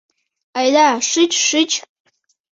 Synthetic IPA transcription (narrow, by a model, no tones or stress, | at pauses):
ajlaʂɨt͡ʃʰʼʂɨt͡ʃʼ